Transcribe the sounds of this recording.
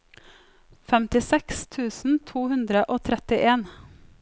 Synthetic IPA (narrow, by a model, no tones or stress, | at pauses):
fɛmt̪ɪsɛkst̪ʰʉːsn̩t̪ʰuːhʉnd̪ɾəʔoːt̪ʰɾɛt̪ɪʔeːn